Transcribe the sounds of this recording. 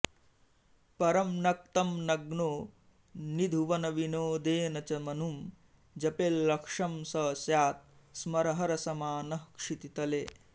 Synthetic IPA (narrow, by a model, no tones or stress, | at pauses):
pɐɾɐmnɐk̚t̪ɐmnɐɡnoː | nid̪ʱuʋɐnɐʋinoːd̪eːnɐt͡ʃɐmɐnum | d͡ʒɐpelːɐkʂɐmsɐsjaːt̪̚ | smɐɾɐɦɐɾɐsɐmaːnɐhkʂit̪it̪ɐleː